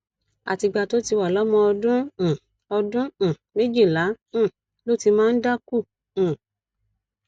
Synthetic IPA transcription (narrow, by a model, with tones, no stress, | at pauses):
a̰˨ti˧ɡ͡ba˧to˦ti˧wa˨lɔ˨˦mɔ̃˧ɔ˧dũ˦˨ | ɔ˧dũ˦˨me˦d͡ʒi˦˨lã˨˦˨ | lo˦ti˧mãː˦n̩˦da˦kũ˦˨